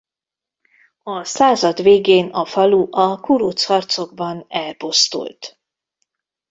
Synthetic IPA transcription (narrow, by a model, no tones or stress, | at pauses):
ɒsaːzɒd̪ʋeːɡeːnɒfɒluʔɒkuɾut̪shɒrt̪so̞ɡ̚bɒnɛlpo̞st̪ṵlt̪